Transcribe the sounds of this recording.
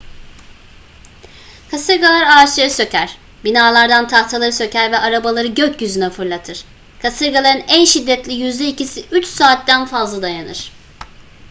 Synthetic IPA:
kʰasɯɾɡalˠaɾaːt͡ʃlˠaɾɯsø̞cʰæɾ̥ | binaːlˠaɾd̪ant̪ʰaht̪ʰalˠaɾɯsø̞cʰæɾvɛʔaɾabalˠaɾɯɟøcjyzynɛfɯɾlˠat̪ʰɯɾ̥ | kʰasɯɾɡalˠaɾɯnænʃid̪ːɛt̪lʲijyzd̪ʲɛicisiʔyt͡ʃsaːt̪d̪ænfazlˠad̪ajanɯ̰ɾ̥

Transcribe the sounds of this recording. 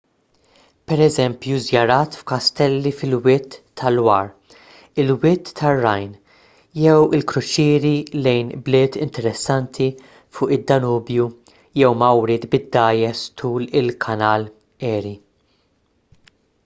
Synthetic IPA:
pɛɾɛzɛmpjuzjɐɾɐːt̪fkɐst̪ɛlːifɪlwɪt̪ːɐlwɐːɾ | ɪlwɪt̪ːɐrːɐjn | jɛwɪlkɾʊt͡ʃɪːɾilɛjnblɪːt̪ɪnt̪ɛɾɛsːɐnt̪ʰi | fʊːʔɪd̪ːɐnuːbju | jɛwmɐwɾɪːt̪bɪd̪ːɐːjɛst̪ʰuːlɪlkʰɐnɐːl | ɛːɾi

